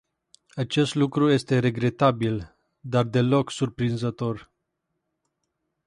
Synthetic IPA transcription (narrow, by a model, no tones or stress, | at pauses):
at͡ʃe̞st̪lukɾuje̞st̪e̞ɾe̞ɡɾe̞t̪abil | d̪ard̪e̞lo̞ksurpɾinzət̪o̞r